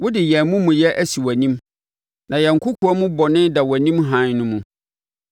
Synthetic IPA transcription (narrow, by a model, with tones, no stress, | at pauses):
wʊ˦dɪ˨jɛ˨mũ˦mũ˨jɛ˦ʔæ˦si˨wæ˨nĩ˦m | nã˨jɛ˨ŋ̩˨kʰʊ˦kʰu˨˦ɔ˦mʊ̃˦bɔ˨nɪ̃˦nda˨wæ˨nĩ˦mɦã˨˦nnʊ̃˦mũ˨